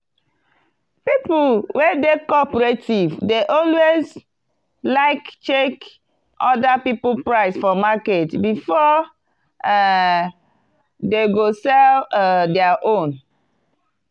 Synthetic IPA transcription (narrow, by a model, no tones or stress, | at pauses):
pipulwedekɔpɹetʰivdeʔɔlwez | laɪkt͡ʃek | ʔɔdapipl̩pɹaɪsfɔmaketbifɔ | deɡosɛldɛaʔõn